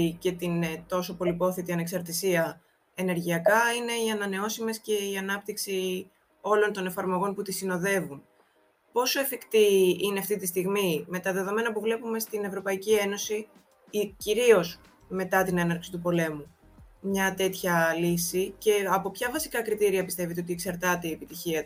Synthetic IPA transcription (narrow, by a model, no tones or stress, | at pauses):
ce̞t̪int̪o̞so̞po̞lipo̞θit̪iɐne̞ksɐɾt̪isiɐ | e̞ne̞ɾʝiɐkɐine̞iɐnɐne̞o̞simesce̞iɐnɐp̚t̪iksi | o̞lo̞nt̪o̞ne̞fɐɾmo̞ɣo̞nput̪isino̞ðe̞vun | po̞so̞efikt̪iineɐft̪it̪ist̪iɣmime̞t̪ɐðe̞ðo̞me̞nɐpuvle̞pume̞st̪ine̞vɾo̞pɐicie̞no̞si | iciɾio̞s | me̞t̪ɐt̪ine̞nɐɾksit̪upo̞le̞mu | mɲɐt̪e̞t̪çɐlisice̞ɐpo̞pçɐvɐsi̥kɐkɾit̪iɾiɐpist̪e̞vit̪eo̞t̪ieksɐɾt̪ɐt̪e̞iepit̪içiɐ